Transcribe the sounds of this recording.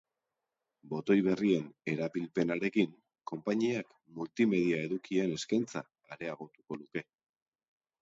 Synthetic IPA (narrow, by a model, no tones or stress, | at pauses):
bo̞t̪o̞jβe̞rie̞ne̞ɾaβilpe̞naɾe̞kiŋ | ko̞mpaɲiak | mult̪ime̞ðiae̞ðukie̞ne̞skajnt͡saːɾe̞aɣ̞o̞t̪uko̞luke̞